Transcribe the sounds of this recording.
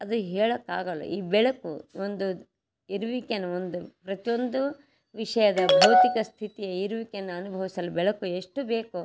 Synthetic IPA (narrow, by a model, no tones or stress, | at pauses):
ɐd̪uɦɛːɭɐkːa̰ːɡɐlɐ̰ʔiːbɛɭɐkṵond̪u | iɾuʋikenːuond̪upɾɐt̪ijond̪u | ʋiʂɐjɐd̪ɐbʱɐwt̪ikɐst̪ʰit̪ijɐiɾuʋikenːuɐnubʱɐʋisɐlubɛɭɐkue̞ʂʈube̞ːku